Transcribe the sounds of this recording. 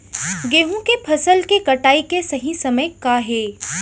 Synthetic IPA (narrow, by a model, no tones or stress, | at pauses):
ɡeːɦũkepʰɐsəlkekɐʈaːikesɐɦisɐməjkaɦeː